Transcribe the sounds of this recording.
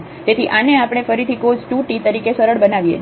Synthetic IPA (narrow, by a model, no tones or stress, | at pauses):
t̪et̪ʰiʔaneapɽ̃efəɾit̪ʰikod͡ʒʈuʈit̪əɾikesəɾəɭbənaʋjḛ